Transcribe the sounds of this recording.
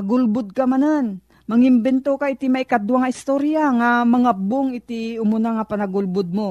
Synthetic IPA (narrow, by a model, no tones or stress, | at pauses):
ɐɡʊlbʊd̪̚kamanan | mɐŋɪmbɛnt̪okaʔɪt̪imaɪkad̪waŋaɪst̪oɾjaŋamɐŋaboŋɪt̪ɪʊmʊnaŋapɐnɐɡʊlbʊd̪̚mo